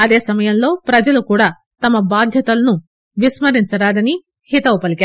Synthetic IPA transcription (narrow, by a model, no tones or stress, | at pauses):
ɐd̪eːsɐmɐjɐnlo̞ːpɾɐd͡ʒɐlukuːɽaː | t̪ɐmːɐbaːd̪ʱjɐt̪ɐlɐnu | ʋismɐɾint͡ʃɐɾaːd̪ɐni | hit̪ɐʋpɐlikʲaː